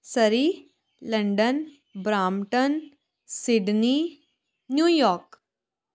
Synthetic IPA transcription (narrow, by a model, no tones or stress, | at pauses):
səɾi | ləɳɖən | bɾaːmʈən | siɖni | njuːjɔːɾk